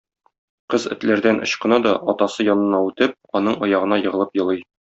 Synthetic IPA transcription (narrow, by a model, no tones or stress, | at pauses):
qɤzɘ̆t̪læɾd̪ænʔŏ̰ɕqɤ̆nɑd̪ɒɒt̪ɑsɤjɒnɤ̆nɑʉt̪ɘp̚ɒnɤɴɒjɑʁɤ̆nɑjɤ̆ʁɤ̆lˠɤpjɤ̆lˠɤj